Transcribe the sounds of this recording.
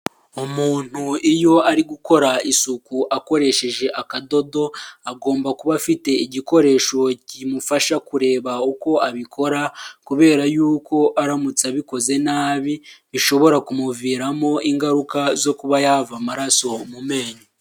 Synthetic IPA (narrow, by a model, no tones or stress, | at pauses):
omuːn̥huijo̞aɾiɡuko̞ɾaisukuʔako̞ɾe̞ʃe̞ʒe̞ʔakado̞do̞aɡo̞ːmbakuβafite̞iɟiko̞ɾe̞ːʃo̞cimufaʃakuɾe̞ːβauko̞aβikʰo̞ɾakuβe̞ːɾajuːko̞ʔaɾamut͡saβiko̞ze̞naːβiβiʃo̞βo̞ɾakumuviːɾamo̞ʔiŋɡaɾukazo̞kuβajavamaɾaso̞mume̞ːɲo